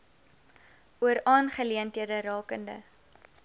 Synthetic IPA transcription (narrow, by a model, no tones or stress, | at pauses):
ʔuəɾɑːnχəliəntɦiədəɾɑːkəndə̰